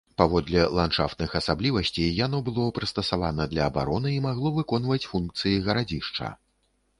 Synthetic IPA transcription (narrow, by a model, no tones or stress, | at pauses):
pavɔd̪lʲɛlˠant͡ʂa̰ft̪̚nɨxɐsablʲivɐsʲt͡sʲijjan̪ɔbɨlˠɔpɾɐst̪ɐsava̰nɐd̪lʲɐːba̰ɾɔnɨimaɣlˠɔvɨkɔnvɐt͡sʲfunk̚t̪sɨjiɣɐɾad͡zʲiʂt͡ʂɐ̰